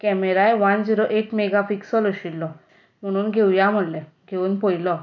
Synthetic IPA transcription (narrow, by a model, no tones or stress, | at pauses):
kɛmeɾajʋand͡ziɾoʔekmeɡafiksɔlɔɕilːɔ | m̤əɽ̃uːnɡʱewjam̤əɽlɛ | ɡʱeuːnpojlɔ